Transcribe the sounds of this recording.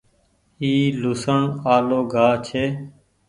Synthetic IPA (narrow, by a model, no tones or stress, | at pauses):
iːlʊsəɳaːloːɡʱaːt͡ʃʰeː